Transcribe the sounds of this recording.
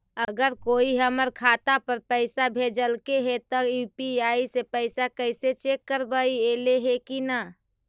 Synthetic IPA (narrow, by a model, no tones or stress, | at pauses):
əɡəɾkoːiɦəməɾkʰaːt̪apəɾpəɪsabʱed͡ʒəlkeɦet̪ɔjupiaːisepəɪsakəɪset͡ʃekːəɾbəieleɦekina